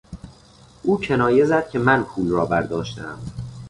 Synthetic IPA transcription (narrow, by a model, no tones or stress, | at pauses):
ʔuːcʰenɒːje̞zæd̪̥̚cʲʰe̞mænpʰuːlrɒːbæɾd̪ɒːʃt̪æ̰m